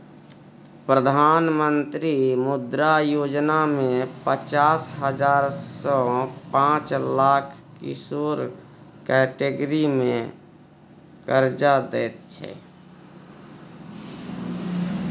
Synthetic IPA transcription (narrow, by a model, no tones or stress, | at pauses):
pɾəd̪ʱaːnmənt̪ɾimʊd̪ɾajoːd͡ʒnamẽpət͡ʃaːsɦəd͡ʒaːɾsɔ̃pãt͡ʃlaːkʰ | kḭsoɾ | kɛʈeɡɾimẽ | kəɾd͡ʒad̪ɛːt̪t͡ʃʰɛ̰